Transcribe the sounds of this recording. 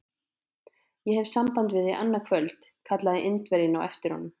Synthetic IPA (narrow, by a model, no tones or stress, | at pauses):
jɛhɛv̥sampant̪vɪðːejʔa̰nːakʰvœlt̪kʰat̪laðɪʔɪnt̪vɛɾjɪnawʔɛ̰ft̪ɪɾ̥hɔ̰nːʏm